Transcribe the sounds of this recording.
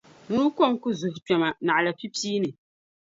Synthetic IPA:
mu˦ɾu˦kɔ˦˨ŋ˦ku˦zu˨hpɛ˨ma˨na˨ʔla˨pi˦piː˦nɨ˨

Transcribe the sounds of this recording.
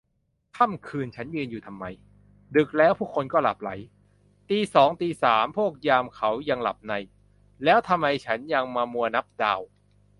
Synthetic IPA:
k̪ʰa˥˩mkʰɯː˧nt͡ɕʰa˦˥njɯː˧njuː˨˩t̪ʰa˧mːa˧j | dɯ˨˩k̚lɛː˦˥wpʰu˥˩kʰo˧nkɔː˥˩la̰˨˩p̚la̰˩˦j | t̪iː˧sɔː˩˦ŋt̪iː˧saː˩˦mpʰu˥˩ək̚jaː˧mkʰa˦˥wja˧ŋla̰˨˩p̚na˧j | lɛː˦˥wt̪ʰa˧mːa˧jt͡ɕʰa˦˥nja˧ŋmaː˧mu˧ɐna˦˥p̚da̰ː˧w

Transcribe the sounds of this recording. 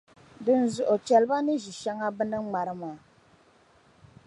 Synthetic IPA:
dɨ˦n˨zʊ˨ʔo˨t͡ʃɛ˨lɨ˦ba˦nɨ˦ʒi˨ʃa˦ŋa˦bɨ˦nɨ˦ŋ͡ma˨ɾɨ˦maː˨˦

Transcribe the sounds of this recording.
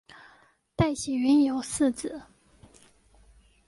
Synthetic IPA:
t̪a˥˩ɪɕɛ˨˩ɥy˧˥njo˨˥ʊsɹ̩˥˩t͡sɹ̩˨˩˦

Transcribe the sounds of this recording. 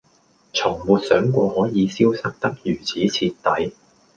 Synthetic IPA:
t͡sʰʊ˨˩ŋmuː˨˧t̚sœː˨˥ŋkʷɔː˧hɔː˨˥jiː˨˧siː˥wsɐ˥k̚t̪ɐ˥k̚jyː˨˩t͡sʰiː˨˥t͡sʰiː˧tt̪ːɐ˨˥j

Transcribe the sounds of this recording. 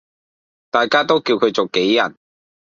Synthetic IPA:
t̪aː˨jkaː˥t̪o˥wkiː˧wkʰɵ˨˧ɥt͡so˨wke˨˥jːɐ˨˩n

